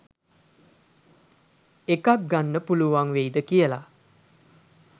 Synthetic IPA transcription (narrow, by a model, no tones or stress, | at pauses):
ekak̚ɡanːəpuluʋaŋʋejd̪əkijəla